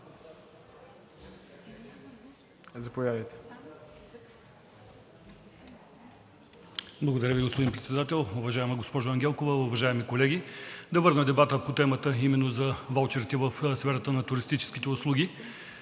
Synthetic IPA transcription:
zɐpojad̪ɐjt̪ɛ̥ | blˠɐɡod̪ɐɾʲəviɡospod̪inpɾɛt̪sɛd̪at̪ɛlˠʊvɐʒaɛmɐɡospɔʒoɐŋɡʲɛlˠkovɐʊvɐʒaɛmikolɛɡʲid̪ɐvɤɾnəd̪ɛbat̪əpot̪ɛmət̪əimɛnːozɐvalˠt͡ʃɛɾit̪ɛvəfsfɛɾɐt̪ənɐt̪ʊɾist̪it͡ʃɛ̥sk̟it̪ɛʊslˠuɡʲi

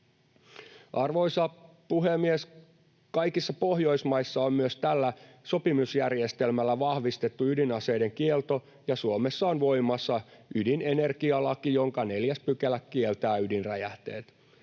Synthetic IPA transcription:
ʔɑrʋo̞jsɑ | puɦemːies | kɑjkisːɑpo̞ɦjo̞jsmɑjsːɑommyøst̪ælːæ | so̞pimusjærje̞st̪e̞lmælːæʋɑhʋist̪e̞t̪ːuydinɑse̞jde̞ŋkielt̪o̞ | jɑsuomesːɑonʋo̞jmɑsːɑydinene̞rkiɑlɑkijo̞ŋkɑne̞ljæspykelækkielt̪æːydinræjæht̪ḛːt̪

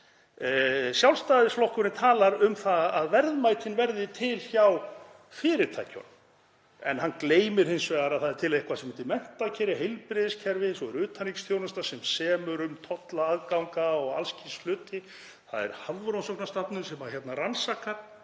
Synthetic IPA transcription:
sjawlst̪aðɪsflɔwhkʏɾɪnt̪ʰaːlaɾʏmθaaðvɛɾðmajt̪ʰɪnvɛɾðɪt̪ʰɪlçaw | fɪːɾɪɾt̪ʰa̰jcɔ̰n | ɛ̰nhankleːjmɪɾ̥hɪnsvɛːɣaɾaðθaðɛɾt̪ʰɪlaehkvasɛmɪnt̪ɪmɛn̥t̪ːacʰɛɾɪɦejlpɾɪðɪscʰɛɾvɪsɔɛɾʏːt̪ʰaniksθjownast̪asɛmsɛːmʏɾʏmt̪ʰɔt̪laːðkawŋkaɔɣa̰lscislʏːt̪ɪ | θa̰ðɛ̰ɾ̥havvʏɾownsowknast̪apnʏɾsɛmaçjɛt̪naransakaɾ

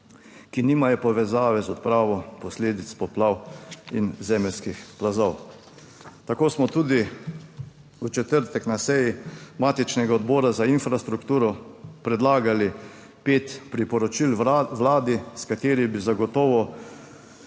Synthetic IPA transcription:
kiniːmajɔpɔʋɛzaːʋɛzɔt̪̚pɾaːʋɔpɔsleːd̪it̪spɔplaːwinzɛːmɛlskixplazɔw | t̪akoːsmɔt̪uːd̪i | ut͡ʃɛt̪əɾt̪ɛknasɛjimaːt̪it͡ʃnɛɡaɔd̪bɔːɾazainfɾast̪ɾukt̪uːɾɔpɾɛd̪laːɡali | peːt̪pɾipɔɾɔt͡ʃilʋlaːd̪iskat̪eːɾibizaɡɔt̪ɔːʋɔ

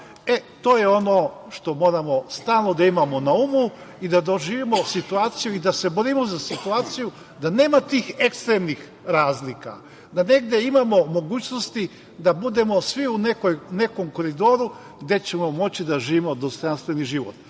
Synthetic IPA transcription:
e̞t̪o̞ːje̞o̞no̞ʃt̪o̞mo̞ːɾamo̞st̪aːlˠno̞d̪aimamo̞naumu | id̪ad̪oʒiːʋimo̞sit̪uaːt̪sijuid̪ase̞boɾimozasit̪uaːt̪siju | d̪ane̞ːmat̪iːxe̞kst̪ɾemnix | ɾaːzlika̰ | d̪ane̞ɡd̪e̞imamo̞mo̞ɡuːt͡ɕnost̪i | d̪abud̪e̞mo̞sʋiunekojne̞ko̞mko̞ɾid̪o̞ɾu | ɡd̪e̞t͡ɕe̞momo̞t͡ɕid̪aʒiːʋimo̞d̪ost̪o̞janst̪ʋe̞niʒiʋo̰t̪

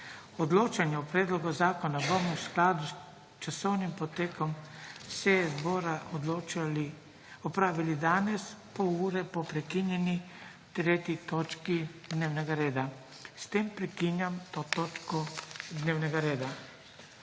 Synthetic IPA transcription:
ɔd̪loːt͡ʃanjɛɔpɾɛːd̪lɔɡɔzaːkɔnabɔmɔwsklaːd̪us | t͡ʃasɔwnimpɔt̪eːkɔmsɛzbɔɾad̪lot͡ʃli | ɔpɾaːʋilid̪aːnɛspɔuːɾɛpɔpɾɛkinjɛni | t̪ɾeːt̪it̪ot͡ʃkid̪neːwnɛɡaɾeːd̪a | st̪empɾɛkinjamt̪ot̪oːt͡ʃkɔd̪neːwnɛɡaɾeːd̪a

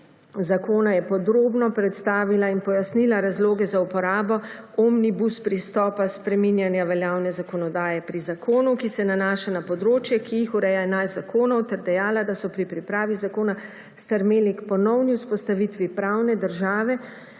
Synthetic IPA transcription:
zakoːnajɛpɔd̪ɾoːbnɔpɾɛt̪st̪aːʋilainpɔjasnilaɾazloːɡɛzaupɔɾaːbɔ | ɔmnibuspɾist̪ɔːpaspɾɛminjanjaʋɛljaːwnɛzakɔnɔd̪aːjɛpɾizakʰoːnukisɛnanaːʃanapɔd̪ɾoːt͡ʃjɛkijixuɾɛjaɛnajzzakʰoːnɔwt̪ɛɾd̪ɛjaːlad̪asɔpɾipɾipɾaːʋizakoːna | st̪ɛɾmeːlikpɔnɔwniuspɔst̪aʋit̪ʋipɾawnɛd̪əɾʒaːʋɛ

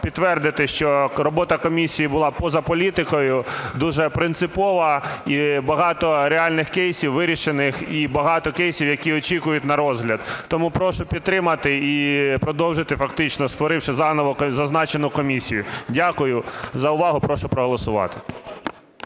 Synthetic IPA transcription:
pʲidt̪t̪ːʋɛrd̪ɪt̪ɪʃt͡ʃɔɾɔbɔt̪ɐkɔmʲisʲijibʊlˠɑpɔzɐpɔlʲit̪ɪkɔjʊd̪uʒɛpɾɪnt̪sɪpɔʋɐibɐɦɑt̪ɔɾeɑlʲnɪxkɛjsʲiwʋɪɾʲiʃenɪxibɐɦɑt̪ɔkɛjsʲiwjɐkʲiɔt͡ʃikʊjʊtʲnɐɾɔzɦlʲɐd̪t̪ɔmupɾɔʃʊpʲid̪̚t̪ːɾɪmɐt̪ɪipɾɔd̪ɔwʒɪt̪ɪfɐkt̪ɪt͡ʃnɔst̪ʋɔɾɪwʃɪzɑnɔʋɔzɐznɑt͡ʃenʊkɔmʲisʲijʊdʲakʊjʊzɐʊʋɑɦʊpɾɔʃʊpɾɔɦɔlˠɔsʊʋɑ̰t̪ɪ̥

